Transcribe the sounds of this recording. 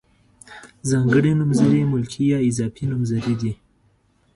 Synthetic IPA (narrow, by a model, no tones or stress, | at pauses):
zaŋɡəɽinumzɐɾimulkʰijaizapʰinumzɐɾidi